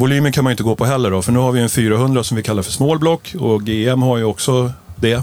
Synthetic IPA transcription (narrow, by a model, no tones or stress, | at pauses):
vʊlyːmənkʰanmajʏɪnt̪əɡoːpʰɔɦɛlːəɖɔfœɳʉːhaɾvɪɛnfyːɾaɦɵnd̪ɾasɔmvɪlkʰalːaɾfœʂmoːlblɔkʰːɔɡeːɛmhaɾjɵɔksɔd̪ɛ